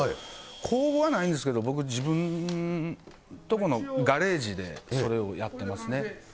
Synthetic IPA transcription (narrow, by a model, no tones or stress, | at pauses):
kʰo̞ːbo̞βanaĩnd̪e̞sɨ̥ke̞d̪o̞bo̞k̬ɯ̟d͡ʑibɯ̟̃n | t̪o̞ko̞no̞ɡaɾe̞ːʑid̪e̞so̞ɾe̞o̞jat̪ːe̞masɨne̞